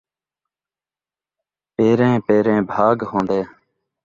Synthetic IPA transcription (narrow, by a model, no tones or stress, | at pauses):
peːɾẽːpeːɾẽːbʱaːɡɦõːnd̪eː